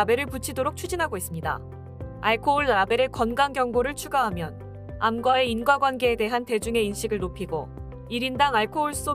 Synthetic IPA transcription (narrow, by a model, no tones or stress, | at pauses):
be̞ɾɯɭput͡ɕʰidoɾok̚t͡ɕʰud͡ʑinɦaɡois͈ɯmɲida̰ | aɭkʰouɭɾabe̞ɾɯkʌnɡaŋɡjʌŋɡoɾɯɭt͡ɕʰuɡaɦamjʌn | amɡwae̞inɡwaɡwanɡe̞ːde̞ɦante̞d͡ʑuŋe̞inɕ͈ʰiɡɯɭnopʰiɡo | iɾindaŋaɭkʰouɭs͈o